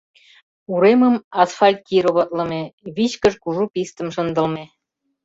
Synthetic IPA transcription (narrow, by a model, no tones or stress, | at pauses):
uɾeməmɑsfɑlʲt̪̚kʲiɾoβɑt̪lə̆meβit͡ɕkə̆ʃkuʒupist̪ə̆mʃə̆nd̪ə̆lme